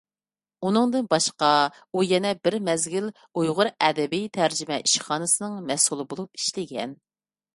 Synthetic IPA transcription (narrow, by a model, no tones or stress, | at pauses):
unɨŋd̪ɨnbɑʃqɑ | ujɛnɛbɪɾmɛzɡʲil | ujʁʊɾɛd̪ɛbijt̪ʰæɾd͡ʒɪmɛʔiʃχɑːnɨsɨnɨŋmɛsulˠɨbolˠup̚i̥ʃlɪɡʲɛ̰n